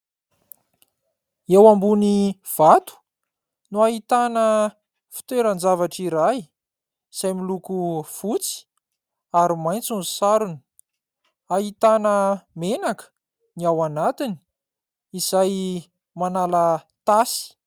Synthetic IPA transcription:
ewambuniv̥at̪u̥ | nuaɦit̪anə | fi̥t̪eɾənd͡zavaʈ͡ʂiɾaj | z̥ajmilukufut͡si̥ | aɾimajnt͡sunzusaɾunə̥ | aɦit̪anəmenakə̥ | niawanat̪ini̥ | iz̥aj | manalət̪asi̥

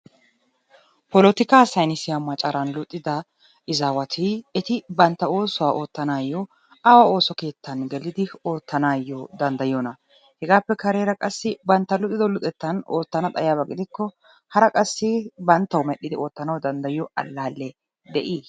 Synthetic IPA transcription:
pɔlɔt̪ɪkaːsɐjnɪsɪjamɐt͡ʃʼɐɾɐnlʊt̪ʼːɪd̪ɐ | ʔɪzawɐt̪ʰɪɛt̪ɪbɐnt̪ːɐo̞ːsʊwaːʔo̞ːt̪ːɐnaːjːɔ | ɐwao̞ːsɔke̞ːt̪ʰːɐnɡɛlːɪd̪ɪo̞ːt̪ːɐnaːjːɔd̪ɐnd̪ɐjɔnɐ | hɛɡaːpːɛkɐɾeːɾɐkʼɐsːɪbɐnt̪ːɐlʊt̪ʼːɪd̪ɔlʊt̪ʼɛt̪ːɐno̞ːt̪ːɐnɐt̪ʼɐjaːbɐɡɪd̪ɪkːɔ | hɐɾɐkʼɐsːɪbɐnt̪ːɐwmɛɗːɪd̪ɪʔo̞ːt̪ːɐnɐwd̪ɐnd̪ɐjɪjɔʔɐ̰lːaːlːɛ | d̪ɛʔi

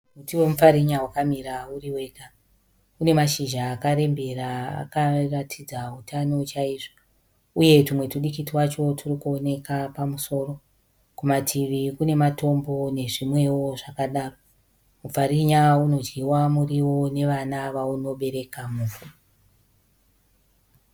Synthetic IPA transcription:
mutiwe̞mufaɾiɲawakamiɾauɾiwe̞ka | une̞maʃiʒaːkaɾe̞mbe̞ɾaa̰karatʰid͡zautʰano̞t͡ʃaiːʐo | uje̞tumwe̞tuɗikitiwat͡ʃo̞tʰurikuone̞kapamuso̞ːro̞ | kumatʰiʋikune̞mato̞mbo̞ne̞ʐimwe̞wo̞ʐakaɗaːro | muvaɾiɲauno̞d͡ʒiwamuriwo̞ne̞ʋanaʋauno̞ɓe̞ɾe̞kamuːvur

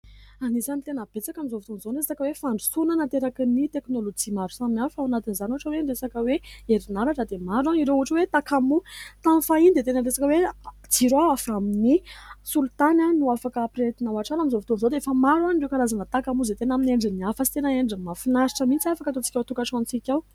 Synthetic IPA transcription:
anizanit̪enəb̥et͡sakamizovit̪onzoɳreesakəwefaɳɖ͡ʐusunənant̪eɾaknit̪eknolod͡ʒimaɾu̥saminanufawnat̪inizanuʈ͡ʂəweɳɖ͡ʐesakəweeɾinaɾaʈ͡ʂəd̪emaɾaniɾeuaʈ͡ʂəwet̪akamut̪anfaind̪et̪enəɳɖ͡ʐesakəwed͡ziɾoaafaminisult̪ananuafakəːpɾet̪inawaʈ͡ʂanamizovit̪onizod̪eefəmaɾaniɖ͡ʐewkalazanət̪akamuzet̪enamineɳɖ͡ʐiniafəsit̪enəeɳɖ͡ʐimafinaɾiʈ͡ʂəmint͡siafakat̪ot͡si̥kʲawt̪ukaʈ͡ʂant͡sikʲaw

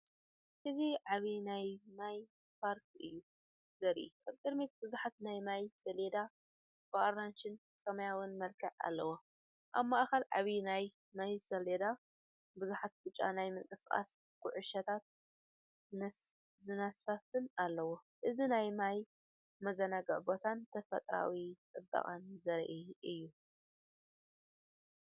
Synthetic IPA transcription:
ʔɨziʕaβinajmaj | pʰaɾkʰʔɨjːu | zɐɾḭkaβkʼɨd̪mit̪̚bɨzuħat̪najmajsɐled̪a | bɨʔoɾanʃɪn | sɐmɐjawʊnmɐlkʰɐʕa̰lːɐwo | ʔaβmaʔxɐlʕa̰βinaj | majsɐled̪a | bɨzuħat̪̚bɨt͡ʃʼːa̰najmɨŋkʼɨskʼa̰s | ɡ̥ʊʕʊʃɐt̪ʰat̪̚ | zɨnasfɐfɨnalːɐwo | ʔɨzinajmaj | mɐzɐnaɡɐʕbot̪ʰant̪ʰɐfɐ̰t̪ʼɾa̰wit͡sʼɨbːɐ̰χʼanzɐɾʔiɨjːu

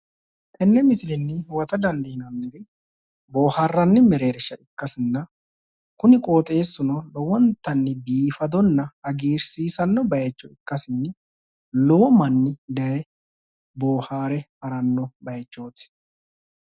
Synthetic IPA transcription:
t̪ʼɛnːɛmɪsɪlɪnːɪwɐt̪ɐd̪ɐnd̪iːnɐmːɪɾɪ | boːhɐrːɐnːɪmɛɾe̞ːɾɪʃːɐʔɪkːɐsɪnːɐ | kʊnɪkʼoːt̪ʼe̞ːsːʊnɐlɔwɔnt̪ːɐnːɪbiːfɐd̪ɔnːɐɐɡiːɾsiːsɐnːɔbɐjɛt͡ʃːɔɪkːɐsɪnːɪ | lɔwɔmɐnːɪd̪ɐjɛ | bo̞ːhaːɾɛhɐɾɐnːɔbɐjɛt͡ʃːo̞ːt̪ɪ̥

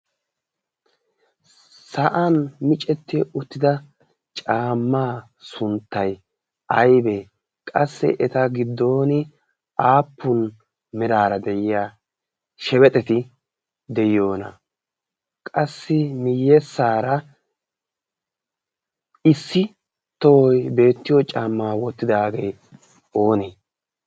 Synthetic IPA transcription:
sɐʔɐnmɪt͡ʃʼɛt̪ːɪʊt̪ːɪd̪ɐ | t͡ʃʼaːmːaː | sʊnt̪ːɐj | ɐjbɛ | kʼɐsːɛ̰ʔɛt̪ɐɡɪd̪ːo̞ːnɪ | ʔaːpːʊn | mɪɾaːɾɐd̪ɛjɪjaː | ʃɛwɛt̪ʼɛt̪ɪ | d̪ɛjːo̞ːnɐ̰ | kʼɐsːɪmɪjːɛsːaːɾɐ | ɪsːɪ | t̪ɔwɔjbe̞ːt̪ːɪjɔt͡ʃʼaːmːaːwɔt̪ːɪd̪aːɡe̞ː | o̞ːneː

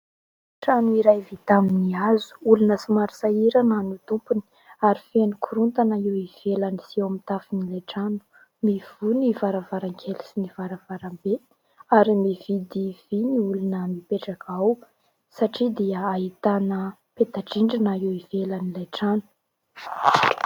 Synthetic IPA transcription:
ʈ͡ʂanuiɾajvit̪aminiazu̥ulunəsimaɾi̥saiɾananut̪umpuni̥ | aɾifenukʰuɾunt̪anəiwiv̥elanisiewmit̪afinileʈ͡ʂanu̥ | miv̥univaɾavaɾaŋkʰelisinivaɾavaɾambe | aɾimivid̪iviniulunəmipeʈ͡ʂakʰaw | saʈ͡ʂid̪iəaɦit̪anə | pet̪aʈ͡ʂiɳɖ͡ʐinəiwivelanileʈ͡ʂanu̥

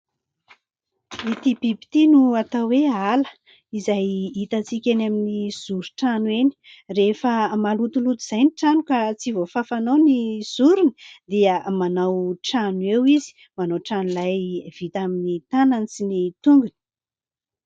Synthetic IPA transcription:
mit̪ibibi̥t̪inuat̪awwealə̥ | izajit̪at͡sikʲanaminiz̥uɾuʈ͡ʂanweni̥ | refəmalut̪ulut̪uz̥ajniʈ͡ʂanukat͡sivofafanoniz̥uɾuni̥d̪iəmanawʈ͡ʂanuewizi̥ | manawʈ͡ʂanulajv̥it̪aminit̪ananisinit̪uŋɡun̥

